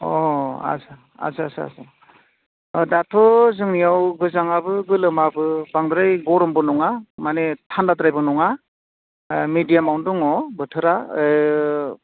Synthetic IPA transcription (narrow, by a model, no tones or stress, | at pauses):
ɔa̰sa | a̰sasɯa̰sa | datʰɔzɯŋnijawɡɯzaŋabɯɡɯlɯmabɯbaŋdɾajɡɔɾɔmbɯnɔŋamanetʰandatɾajbɯnɔŋa | midijamawndɔŋɔbɯtʰɯɾa